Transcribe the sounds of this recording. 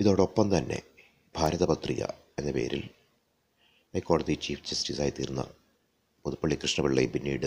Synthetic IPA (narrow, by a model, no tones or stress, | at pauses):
iðo̞ːɽeopːɐmt̪ɐnːe̞̰ | b̥ʱaːɾɐðɐbɐt̪rijɐ̰ | e̞nːɐpe̞̰ːɾḭl | hɐjkːoːɽɐðit͡ɕiːfʰd͡ʑɐstisaːjt̪ːiːɾunːɐ̰ | poðupːɐɭːikrɨʂɳɐbiɭːɐjbinːḭːɽɨ